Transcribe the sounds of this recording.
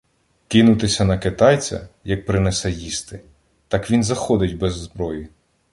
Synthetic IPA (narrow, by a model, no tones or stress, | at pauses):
kɪnʊt̪ɪsʲɐnɐkɪt̪ɑjt͡sʲɐ̰jɐk̚pɾɪnɛsɛjist̪ɪ | t̪ɑkʋʲinzɐxɔd̪ɪtʲbɛzːbɾɔjɪ